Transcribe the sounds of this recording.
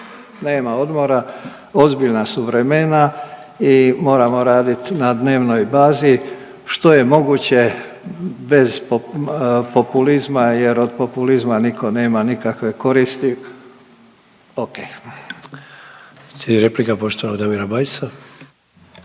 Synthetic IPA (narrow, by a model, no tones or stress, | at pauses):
ne̞ːmao̞d̪mo̞ɾa | o̞zbiʎnasuʋɾe̞me̞na | imo̞ːɾamo̞ɾaːd̪it̪nad̪ne̞ːʋno̞jbaːzi | ʃt̪o̞je̞mo̞ɡuːt͡ɕe̞ | be̞zp | po̞pulizmaje̞ɾo̞d̪̚po̞pulizmanikʰo̞ne̞ːmanikakʋe̞ko̞ɾist̪i | oke | seiɾeplikapoʃt̪oʋad̪amiɾabajsa